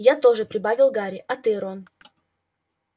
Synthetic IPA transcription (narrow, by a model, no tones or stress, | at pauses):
jat̪o̞ʐɨpɾʲɪbavʲɪlˠɡaɾʲɪʔɐt̪ɨɾon